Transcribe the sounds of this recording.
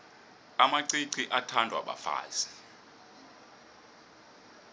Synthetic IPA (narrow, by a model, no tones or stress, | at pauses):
amaǀiǀiʔatʰandʱwa̰ɓa̰fa̰ːz̥i